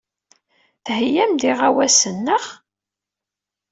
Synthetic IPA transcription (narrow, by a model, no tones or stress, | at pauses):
θhjæmd̪iʁawæsənːəχ